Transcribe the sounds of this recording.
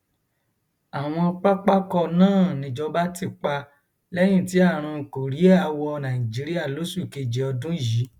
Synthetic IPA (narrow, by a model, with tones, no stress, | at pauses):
a˨w̃ɔ̃˧k͡pa˦k͡pa˦kɔ˧nãː˦˨nĩ˨d͡ʒɔ˧ba˦ti˦˨k͡pa˧ | lɛ˦j̃ĩ˦˨ti˨˦a˦˨ɾ̃ũ˧˨ko˨ɾi˨˦a˧wɔ˧nã˨ĩ˨d͡ʒi˨˦ɾi˦a˦˨lo˨˦su˦˨i˨ke˨d͡ʒɛ˨ɔ˧dũ˦˨ji˨˦